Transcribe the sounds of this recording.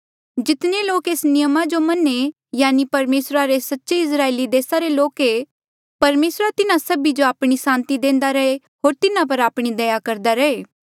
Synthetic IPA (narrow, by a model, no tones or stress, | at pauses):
d͡ʒɪt̪neloːkeːsnɪjəmad͡ʒomɐne | jaːnipɐɾmeːsɾaɾesɐtːʃeɪs̬ɾaːeːlid̪eːsaɾeloːke | pɐɾmeːsɾat̪ɪnãsɐbid͡ʒoaːpɽ̃isãːnt̪id̪ẽːn̆d̪aɾɐe | ɦoːɾt̪ɪnãp̬ɐɾaːpɽ̃id̪ɐjakɐɾd̪aɾɐɦeː